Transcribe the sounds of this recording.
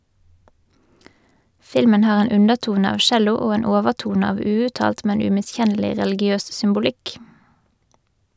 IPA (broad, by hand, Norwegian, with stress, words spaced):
ˈfɪlmən ˈhɑːʁ ˈeːn ˈʉnəʁˌtuːnə ˈɑːʋ ˈʃɛlʊ ˈoː ˈeːn ˈoːʋəʁˌtuːnə ˈɑːʋ ˈʉːʉtˌtɑːlt ˈmɛn ˌʉmɪˈsçɛnəlɪ ʁɛlɪɡɪˈøːs sʏmbʊˈlɪk